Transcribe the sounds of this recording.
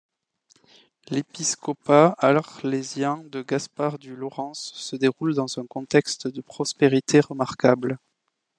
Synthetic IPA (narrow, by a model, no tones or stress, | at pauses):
lepiskɔpaalɔʁlezjɛ̃d̪əɡaspaʁd̪ylɔʁɑ̃sːəd̪eʁuld̪ɑ̃zɛ̃kɔ̃t̪ɛkst̪d̪əpχɔspeʁit̪ʰeʁəmaʁkabl